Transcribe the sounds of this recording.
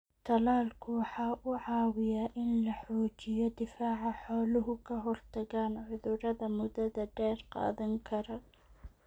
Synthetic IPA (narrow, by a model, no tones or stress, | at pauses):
t̪ʰɐlaːlkʰʊwɑħɑːʔʊʕɑːwɪjaːʔɪnlɐħɔːt͡ʃɪjɔd̪ɪfaːʕɑħɔːlʊɦʊkʰɐɦɔrt̪ʰɐɣaːnʕʊðʊɾɐðɐmʊdɐðɐɖɛːrqɑ̰ːðɐŋkʰɐɾɐ